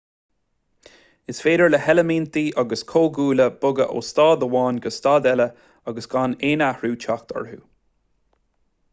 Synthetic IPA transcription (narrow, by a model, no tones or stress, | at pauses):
ɪsfeːd̪əɹləhɛləmiːnt̪iːʔɑɡəskʰoːɡuːləb̥ʊɡə̰ʔo̰ːst̪ɑːd̪əwɑːnɡəst̪ɑːd̪ɛlə | ɑɡəsɡ̥aneːnahɹuːt͡ʃʰax̚t̪ɔ̰ɹɦṵː